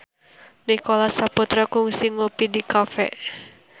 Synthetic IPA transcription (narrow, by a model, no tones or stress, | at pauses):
nikolasaput̪ɾakuŋsiŋlupidikafɛ̰ʔ